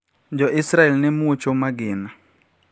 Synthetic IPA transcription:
d͡ʒɔʔɪsɾaɛlnɛmuot͡ʃomaɡɪna

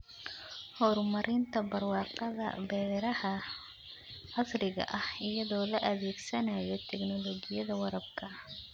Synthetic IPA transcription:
hɔːɾmɐɾɪnt̪ʰɐbɐrwɑːqɑðɐ̰bɛːðɛɾɐhɐ | ɐsrɪɣɐ̰ʔɐhɪjɐðɔːlɐʔɐðɛːɡsɐnajɔt̪ʰɛknɔlɔɡɪjɐðɐwɑɾɐbkʰɐ

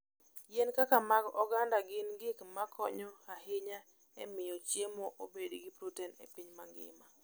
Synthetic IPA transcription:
jenkakamaɡɔɡandaɡɪnɡɪkmakʰɔɲɔhahɪɲa | ɛmɪjot͡ʃjemoʔobedɡɪpɾutɛnḛpiɲmaŋɡɪ̰ma

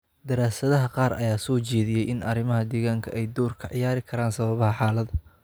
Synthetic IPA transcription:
d̪ɐɾaːsɐðɐɦɐqɑːɾʔɐ̰jaːsɔːt͡ʃɛːðɪjɛjʔɪnɐɾɪmɐɦɐd̪ɛːɣaːŋkʰɐʔɛjd̪ɔːrkʰɐʕɪjaːɾɪkʰɐɾaːnsɐβɐβɐhɐħaːlɐd̪ɐ

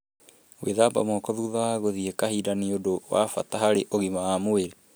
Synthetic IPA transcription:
wḛðaba̰mɔːkɔðuðaaɣoðiekahiːdaniodowa̰fataɦaɾeʔoɣimaːmoeɾe

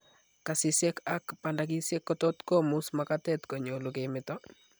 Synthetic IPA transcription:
kasɪsekakpandak̬isjekːɔtɔtkɔmusmakatɛtkoɲolukemɪtɔ

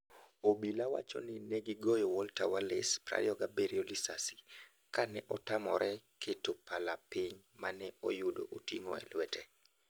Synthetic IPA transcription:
obilawa̰t͡ʃɔ̰nɪnɛɡɪɡɔjɔwɔltawalɪspɾa̰jɔɡabeɾiolisasi̥ | kanɛʔɔtamɔɾʔɛkʰetopalapɪɲ | manɛojʊdo̰ʔotiŋo̰ɛ̰lwɛtʰɛ

